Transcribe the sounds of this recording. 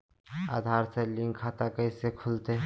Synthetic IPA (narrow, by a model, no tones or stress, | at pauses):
a̰ːd̪ʱaːɾselɪ̃ŋɡkʰaːt̪akəisekʰʊlt̪e